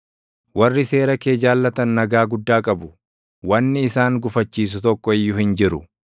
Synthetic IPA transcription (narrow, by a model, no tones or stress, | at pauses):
wɐrːɪse̞ːɾɐke̞ːd͡ʒaːlːɐt̪ɐnːɐɡaːɡʊd̪ːaːkʼɐbʊ | wɐnːɪɪsaːŋɡʊfɐt͡ʃːiːs̬ʊt̪ɔkːɔɪjːʊhɪnd͡ʒɪɾʊ̰